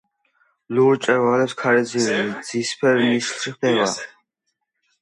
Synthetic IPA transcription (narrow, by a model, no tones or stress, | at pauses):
luɾt͡ʃʼɛɾvalɛpskʰaɾɛziɾɛlizispʰɛɾnislʃiχd̪ɛva